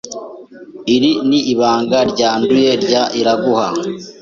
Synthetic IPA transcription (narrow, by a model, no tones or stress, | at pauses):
iɾiniːβaːŋɡaɾɟaːnduje̞ɾɟaʔiɾaɡuha